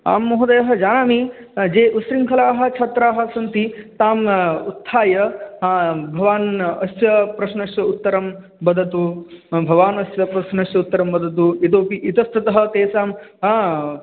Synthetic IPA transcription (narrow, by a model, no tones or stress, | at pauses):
a̰ːmːoɦud̪ɐjɐɦɐ̆d͡ʒaːnaːmi | d͡ʒeːʔusɾiŋkʰɐlaːɦɐ̆t͡ʃʰɐt̪ɾaːɦɐ̆sɐnt̪it̪aːmut̪ʰːaːjɐ | bʱɐʋaːnɐsjɐpɾɐʃnɐʃjɐut̪ːɐɾɐm | bɐd̪ʱɐt̪ubʱɐʋaːnɐsjɐpɾɐʃnɐʃjɐut̪ːɐɾɐmbɐd̪ʱɐt̪̬uit̪̬oːpiʔit̪ɐst̪ɐt̪ɐɦɐ̆t̪eːsaːm